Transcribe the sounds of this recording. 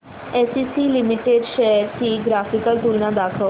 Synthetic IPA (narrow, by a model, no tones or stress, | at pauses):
ɛːsiːsiːlimiʈeɖʃɛːɾt̪iːɡɾaːfikəlt̪ulnãd̪aːkʰə